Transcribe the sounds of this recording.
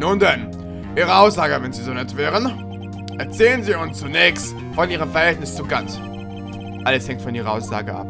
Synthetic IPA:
nuːndɛn | ʔiːʁəaʊsz̥aːɡəvɛnziːzonɛtv̥ɛːʁən | ʔɛɐt͡sɛːlənziːʊnst͡sunɛːçst | fɔnʔiːʁəmfɛɐhɛltnɪst͡suɡant | ʔaləshɛŋktfɔniːʁɐʔaʊsz̥a̰ːɡəʔa̰p

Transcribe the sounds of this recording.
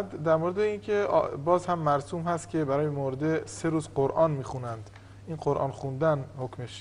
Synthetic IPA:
æd̪æɾmoɾed̪eiːncʰḛbɒːzhæmːæɾsuːmhæst̪kcʰʲe̞bæɾɒːjemoɾed̪ese̞ɾuːzɢoɾʔɒːnmiːxunænd̪ | inɢoɾʔɒ̰ːnxund̪ænhocmeʃ

